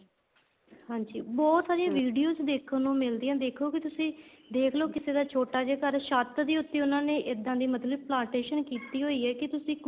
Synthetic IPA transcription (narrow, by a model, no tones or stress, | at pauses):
hãːɲd͡ʒiːbɔːt̪saːɾĩjãːʋiːɖijoːzd̪eːkʰənũːmɪld̪ijãːd̪eːkʰoːkɪt̪ʊsĩːd̪eːkʰloːkɪseːd̪aːt͡ʃʰoːʈaːd͡ʒeːkəɾʃaːt̪d̪iːʊt̪ːiːʊnãːneːʔɪd̪ãːd̪iːmət̪ləbplãːʈeːʃənkiːt̪iːɦoːiːɦɛːkɪt̪ʊsĩː